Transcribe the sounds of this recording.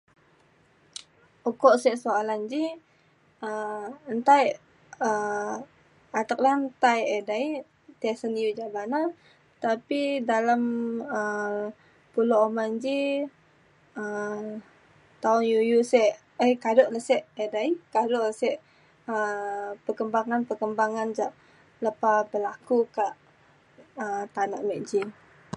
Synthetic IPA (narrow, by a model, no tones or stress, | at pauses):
ukɔʔsɛʔsoaland͡ʒi | əənt̪aj | ə | at̪ək̚laənt̪ajedai | t̪asənjud͡ʒaʔbana | t̪apidalamə | puloʔomand͡ʒi | ə | t̪aʊnjujusɛʔ | əjkadoʔləsɛʔedaikadoʔləsɛʔ | əpərkəmbaŋanpəkəmbaŋand͡ʒaʔ | ləpabəlakukaʔ | ət̪ana̰ʔmɛʔd͡ʒi